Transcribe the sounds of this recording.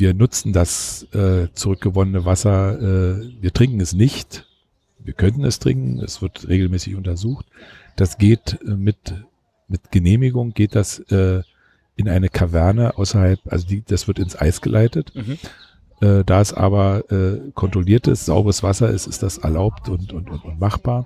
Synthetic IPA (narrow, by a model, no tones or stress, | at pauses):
viːɐnʊt͡sn̩dasʔɛːt͡suʁʏk̚ɡ̥əvɔnənəvasɐʔɛːviːɐtʁ̥ɪŋkŋ̩ɛsnɪçt | viːɐkʰœntn̩ɛstʁ̥ɪ̰ŋkŋ̩ɛ̰sv̥ɪɐtʁeːɡl̩mɛːsɪçʔʊntɐzuːxt | d̥asɡ̥eːtmɪt | mɪtɡ̥əneːmɪɡʊŋɡ̥eːt̚d̥asʔɛː | ʔɪnʔaɪnəkʰavɛɐnəʔaʊsɐhalpʔa̰lzodiːd̥asv̥ɪɐtɪnsʔa̰ɪsɡ̥əlʔaɪtət | ʔɛːd̥aːɛsʔa̰ːbɐʔɛːkʰɔntʁ̥oliːɐtəsz̥aʊbəʁəsv̥asɐʔɪ̰stɪstd̥asɛ̰ɐlaʊptʊntʊntʊntʊntmaχb̥aːɐ